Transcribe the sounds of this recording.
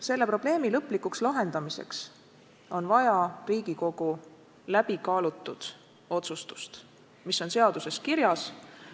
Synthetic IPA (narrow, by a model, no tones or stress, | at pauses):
se̞lːe̞pro̞b̥le̞ːmilɤpːˑlikukslɑɦe̞nd̪̥ɑmisḛks | o̞nvɑjɑriːɡ̥iko̞ɡ̥u | læb̥ikɑːlut̪ːˑud̪̥ | o̞t̪sust̪u̥st̪ | misːo̞nse̞ɑd̪̥use̞skiɾjɑs